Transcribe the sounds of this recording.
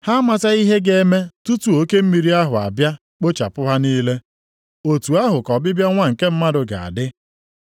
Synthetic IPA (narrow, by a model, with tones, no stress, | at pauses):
ha˦ma˦ta˦i˦ɦe˦ɡe˦me˦tu˦tu˨o˦ke˦m̩˦mi˨˦ɾi˦a˦ɦʊ˨a̰˨bja˦ | k͡po˦t͡ʃa̰˨pʊ˦ɦa˦niː˦le˦ | o˨tu˨a˦ɦʊ˨kɔ˨bɪ˦bja˦ŋʷa˦ŋ̩˨ke˦m̩˦ma˦dʊ˨ɡa̰˨a̰˨dɪ˦